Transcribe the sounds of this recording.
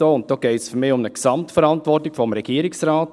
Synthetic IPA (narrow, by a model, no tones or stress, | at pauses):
oːʊnt̚d̥oːɡ̥ɛɪtsfʏɾmɪːʊmnəksɑmtfəɾɑntʋɔrtɪɡ̥fɔmɾɛɡ̥iːəɾɪksɾaɑːt